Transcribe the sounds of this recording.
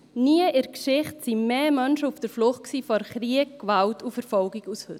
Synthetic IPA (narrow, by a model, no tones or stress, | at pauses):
niəʔɪɾkʃɪχtsimeːmœnʃəufd̥əɾflʊχtksiːfɔɾχriəkːvaltufəɾfɔlɡikushø̰t